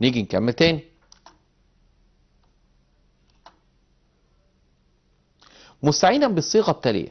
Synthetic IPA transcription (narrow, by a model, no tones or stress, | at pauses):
niːɡinkæmːæt̪æːni | mʊst̪aʕiːd̪ænbesˤːiːɣɑt̪ːælḛjæ̰